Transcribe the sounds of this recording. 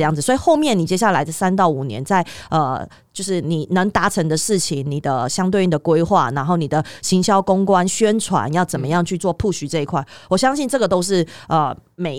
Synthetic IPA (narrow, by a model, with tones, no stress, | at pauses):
jɑ˥˩ŋd͡z̩˨˩swɔ˧˥i˨˩xo˥˧ʊmjɛ˥˩ni˨˩t͡ɕjɛ˥ɕja˥˩la˧˥ɪ˥˩sa˦nt̪ɑ˥˩ʊu˨˩njɛ̰˧˦nt͡sa˥˩ɪə̰˨˩ | t͡ɕjo˥˧ʊʂɻ̩˥˩ni˨˩nə˧˥ŋt̪a˧˥ʈ͡ʂʰə˧˥ŋd̪ə˧ʂɻ̩˥˩t͡ɕʰi˨˦ŋni˨˩d̪ə˦ɕjɑ˥ŋt̪we˥˩ɪni˨˩d̪ə˦kwe˥ɪxwa̰˥˩na˧˥nxo˥˩ʊni˨˩d̪ə˦ɕi˧˥ŋɕjɑ˥ʊkʊ˥ŋkwa˦nɕɥɛ˥nʈ͡ʂʰwa̰˧˦njɑ˥˩ʊt͡sə˨˩nmə˦jɑ˥˧ŋt͡ɕʰy˥˧t͡swɔ˥˧pʰu˥˩ɕy˨˥ʈ͡ʂɤ˥˧i˧˥kʰwa˥˩ɪwɔ˨˩ɕjɑ˥ŋɕi˥˧nʈ͡ʂɤ˥˩ɡə˩t̪o˥ʊʂ̬ɻ̩˥˩ə˨˩me˨˩